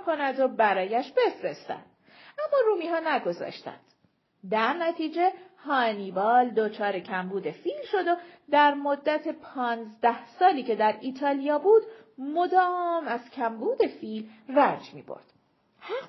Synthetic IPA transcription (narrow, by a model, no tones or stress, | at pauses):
kʰo̞næd̪obæɾɒːjæʃbe̞fɾe̞st̪æ̰nd̪̥ | æmːɒːɾuːmiːɦɒːnæɡo̞zɒ̰ːʃt̪æ̰nd̪̥ | d̪æɾnæt̪ʰiːd͡ʒe̞hɒːniːbɒːld̪ot͡ʃʰɒːɾe̞cʰæmbuːd̪e̞fiːlʃo̞d̪od̪æɾmo̞d̪ːæt̪ʰe̞pʰɒːnzd̪æhsɒːliːcʰe̞d̪æɾiːt̪ʰɒːlijɒːbuːd̪ | mod̪ɒːmæz̥cʲʰæmbuːd̪e̞filrænd͡ʒmḭːbo̰ɾd̪̥ | hæ